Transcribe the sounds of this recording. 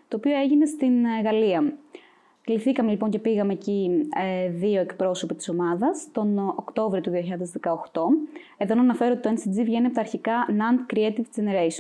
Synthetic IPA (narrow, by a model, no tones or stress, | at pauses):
t̪oːpio̞e̞ʝine̞st̪inɣɐliɐm | kliθikɐme̞lipo̞ɲce̞piɣɐme̞ːci | ðio̞ekpɾo̞so̞pit̪i̥so̞mɐðɐst̪o̞nokt̪o̞vɾiot̪uðioçiʎɐðezðe̞kɐoxt̪o̞e̞ðonɐːnɐfe̞ɾot̪it̪oensid͡zivʝe̞niɐpot̪ɐːɾçikɐnɐnd̪kɾiet̪ivzeneɾeso